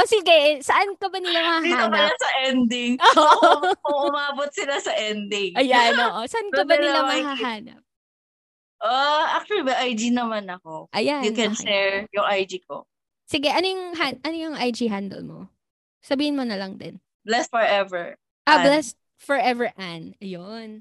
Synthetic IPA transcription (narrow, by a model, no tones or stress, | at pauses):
ʔosɪɡɛsɐʔankɐbɐnɪlamɐhahiaopɐlasɐʔɛnd̪ɪŋʔoːʔkʊŋʔʊmaːbot̪̚sɪlasɐʔɛnd̪ɪŋɐjanoːʔosɐʔankɐbɐɪlamɐɦaɦaːnɐ̰p̚ | ʔaʔak̚t͡ʃʊwɐlimɐʔajd͡ʒinɐmanɐkoʔɐjanjʊkɛnʃɛɹjʊŋʔajd͡ʒik̚o̰ | sɪɡɛʔɐnojʊŋɦanʔɐnojʊŋʔajd͡ʒiɦand̪ɛ̰lmo̰ | sɐbiːhɪnmonɐlɐŋd̪ɛn | blɛst̪̚fɔɹʔɛvɛɹ | ʔablɛs̚ | fɔɹʔɛvɛɹʔanɐjon